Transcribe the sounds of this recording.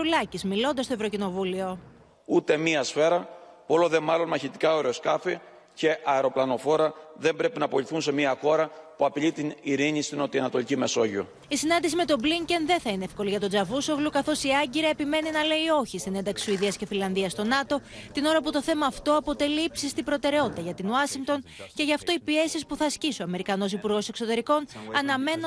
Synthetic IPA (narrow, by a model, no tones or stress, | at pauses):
ulɐcizmilo̞nd̪ɐst̪ovɾo̞cino̞vulio̞ | ut̪e̞miɐsfe̞ɾɐpoloðemɐlo̞nmɐçit̪i̥kɐo̞ɾeoskɐfi | ce̞ʔɐeɾo̞plɐno̞fo̞ɾɐðe̞mbɾe̞pinɐːpo̞liθunse̞miɐxo̞ɾɐpuɐpiʎit̪iniɾiɲist̪ino̞t̪iɐnɐt̪o̞licime̞so̞ʝio | isinɐnd̪isime̞t̪o̞bliɲcenðe̞nθɐinee̞fko̞liʝɐt̪o̞d͡zɐvusovlukɐθo̞siɐɲɟiɾɐepime̞ninɐle̞io̞çist̪ine̞nd̪ɐksi̥suiðiɐsce̞filɐnðiɐst̪o̞nɐt̪o̞t̪ino̞ɾɐput̪o̞θe̞mɐːft̪o̞ɐpo̞t̪e̞liipsist̪ibɾo̞t̪e̞ɾe̞o̞t̪it̪ɐʝɐt̪inuɐsiŋkt̪o̞nce̞ʝɐft̪o̞ipie̞sispuθɐsciso̞ɐme̞ɾikɐno̞sipuɾɣo̞sekso̞t̪e̞ɾiko̞nɐnɐme̞n